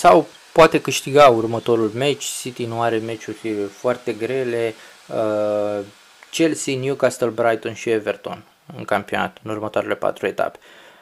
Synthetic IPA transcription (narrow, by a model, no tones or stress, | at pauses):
saw | poat̪e̞kɨʃt̪iɡaurmət̪o̞ɾulme̞t͡ʃʲsit̪inuaɾe̞me̞t͡ʃurʲfoart̪e̞ɡɾe̞le̞ | ə | t͡ʃe̞lsinjukast̪əlbɾajt̪o̞nʃieve̞rt̪o̞̰n | ɨŋkampio̞na̰t̪ɨnurmət̪oaɾele̞pa̰t̪ɾue̞t̪a̰pe̥